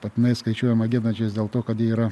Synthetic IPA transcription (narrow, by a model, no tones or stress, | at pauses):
pɐt̪ʲɪnɐɪskɐɪt͡ʃʲuɔjɛmɐɡʲɪnɐnt͡ʃʲɛsdʲeːlˠt̪oːkɐt̪jiiːɾɐ